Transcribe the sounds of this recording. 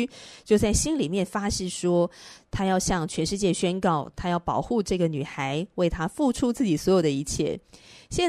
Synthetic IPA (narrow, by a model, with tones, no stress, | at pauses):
t͡ɕjo˥˧ʊt͡sa˥˩ɪɕi˥nli˨˩mjɛ˥˩nfa˥ɕ̩˥˩ʂwɔ˥t̪ʰa˥jɑ˥˧ʊɕjɑ˥˧ŋt͡ɕʰɥɛ˧˥nʂɻ̩˥˧t͡ɕjɛ˥˩ɕɥɛ˥nkɑ˥˩ʊt̪ʰa˥jɑ˥˩ʊpɑ˨˩ʊxu˥˧ʈ͡ʂɤ˥˩ɡə˩ny˨˩xa˧˦ɪwe˥˩ɪt̪ʰa˥fu˥˧ʈ͡ʂʰu˥t͡sɹ̩˥˩t͡ɕi˨˩swɔ˧˥jo˨˩ʊd̪ə˩i˧˩t͡ɕʰjɛ̰˥˩ɕjɛ˥˧